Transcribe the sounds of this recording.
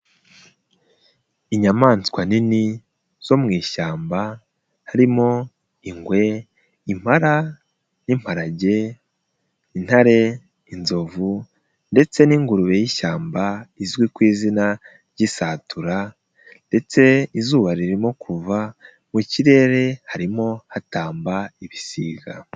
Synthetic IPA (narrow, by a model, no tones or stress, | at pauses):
iɲamaːnt͡skwanini | z̥o̞mŋiːʃaːmba | haɾimo̞ | iŋɡwe̞ | im̥haɾa | nim̥haɾaɟe̞ | in̥haɾe̞ | inzo̞vu | nde̞t͡se̞niːŋɡuɾuβe̞jiʃaːmbaizwikwiːzina | ɾɟisaːtuɾa | nde̞t͡se̞izuːβaɾiɾimokʰuva | muciɾe̞ːɾe̞haɾimo̞hataːmbaiβisiːɡa